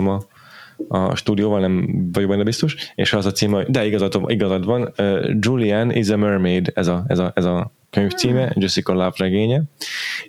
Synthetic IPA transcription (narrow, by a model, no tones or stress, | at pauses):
ɛmɒ | ɒ̰ʃt̪uːd̪ijoːvɒlnɛmvɒɟoɡ̚bɛnːɛbist̪o̞ʃḛːʃɛzɒt̪siːmd̪ɛiɡɒzɒt̪iɡɒzɒd̪vɒnøːd͡ʒulianʔḭzɛmørmejd̪ɛzɒɛzɒɛzɒ | køɲft̪siːmɛd͡ʒosikɒlavrɛɡeːɲɛ